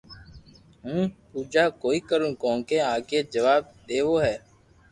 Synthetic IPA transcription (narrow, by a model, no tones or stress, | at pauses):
ɦũːpuːd͡ʒaːkoːiːkəɾũːkõːŋkeːaːkeːd͡ʒəʋaːb̚d̪eːʋoːɦɛː